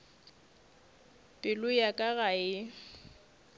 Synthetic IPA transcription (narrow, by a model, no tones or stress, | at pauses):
pʼɪlʊjakʼaɣaɪ